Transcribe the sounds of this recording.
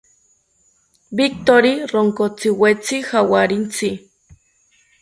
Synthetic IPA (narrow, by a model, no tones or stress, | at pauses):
bik̚t̪oɾiroŋkot͡siwet͡sihawaɾint͡si